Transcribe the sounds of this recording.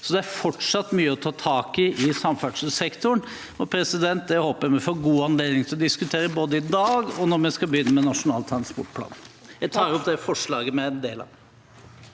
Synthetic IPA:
sɔd̪ɛæɾfɔʈʂɑt̪ːmyːəɔt̪ʰɑːt̪ʰɑːkɪʔɪsɑmfæʈʂsɛkt̪ʊɳ | ɔpʰɾɛsɪd̪ɛnt̪̚d̪ɛhoːpəɾjæmɛfɔːɡuːɑnleːd̪nɪŋt̪ʰɪlɔd̪ɪskʉt̪ʰeːɾəboːd̪əɪd̪ɑːɡɔnɔɾmɛskɑbəjʏnːəmɛnɑʂʊnɑ̰ːlt̪ʰɾɑnspɔ̰ʈpʰlɑ̰ːnjæt̪ʰɑːɾɔp̚d̪ɛfɔʂɭɑːɡəmɛɛnd̪eːlɑ̰

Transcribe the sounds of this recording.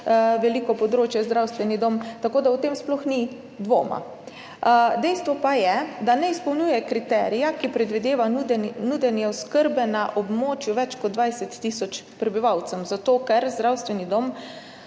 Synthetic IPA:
ʋɛliːkɔpɔd̪ɾoːt͡ʃjɛzd̪ɾawst̪ʋɛnid̪omt̪akoːd̪auwt̪eːmsplɔxni | d̪ʋo̰ːma̰ | d̪ɛjst̪ʋɔpajɛd̪anɛispɔwnjuːjɛkɾit̪ɛːɾijakipɾɛd̪ʋid̪eːʋanud̪ɛnjɛɔskəɾbɛnaʔɔbmoːt͡ʃjuʋɛt͡ʃkɔd̪d̪ʋajsɛt̪ːisɔt͡ʃpɾɛbiʋawt̪sɛmzat̪oːkɛɾzd̪ɾawst̪ʋɛnid̪om

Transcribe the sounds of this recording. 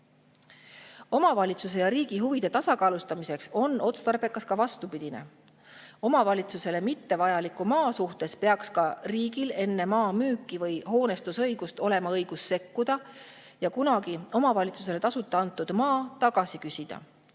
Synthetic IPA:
o̞mɑvɑlʲit̪sus̬e̞jɑɾiːɡ̥iɦuvid̪̥e̞t̪ɑsɑkɑːlust̪ɑmise̞kso̞nːo̞t̪st̪ɑrbe̞kːˑɑskɑvɑst̪upid̪̥ine̞̰ | o̞mɑvɑlʲit̪suse̞le̞mit̪ːe̞vɑjɑlikːumɑːsuht̪e̞spe̞ɑkskɑriːɡile̞nːemɑːmyːkːˑivɤjho̞ːne̞st̪usɤjɡ̥ust̪o̞le̞mɑɤjɡ̥usːe̞kːud̪̥ɑ | jɑkunɑɡ̥io̞mɑvɑlʲit̪su̥s̬e̞le̞t̪ɑsut̪ˑːeɑnt̪ːˑud̪̥mɑːt̪ɑɡ̥ɑsikysʲid̪̥ɑ̰

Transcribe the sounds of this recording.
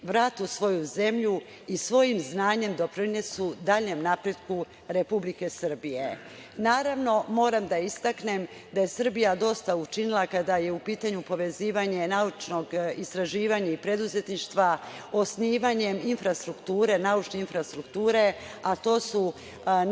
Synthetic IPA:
ʋɾaːt̪usʋo̞juze̞mʎu | isʋo̞jimznaːɲe̞md̪o̞pɾine̞sud̪aːʎɲe̞mnapɾe̞d̪ku | ɾe̞publike̞sɨr̩bije̞ | naːɾaʋno̞mo̞ːɾamd̪aist̪akne̞m | d̪aje̞sɨr̩bijad̪o̞st̪aut͡ʃinilˠakad̪aje̞upiːt̪aɲupo̞ʋe̞ziːʋaɲe̞naut͡ʃno̞ɡist̪ɾaʒiːʋaɲaipɾe̞d̪uze̞t̪niʃt̪ʋaosniːʋaɲe̞minfɾast̪ɾukt̪uːɾe̞naut͡ʃne̞infɾast̪ɾukt̪uːɾe̞at̪o̞ːsu

